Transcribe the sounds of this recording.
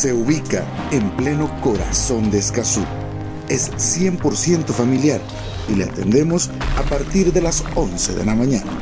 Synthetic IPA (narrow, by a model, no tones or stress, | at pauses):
se̞uβika̰emple̞no̞koɾa̰so̞nd̪eːskasu | esːje̞mpo̞ɾsje̞nt̪ofamiljaɾ | ileat̪e̞̰nd̪e̞mosapaɾt̪iɾðe̞laso̞nsḛðe̞̰lamãɲana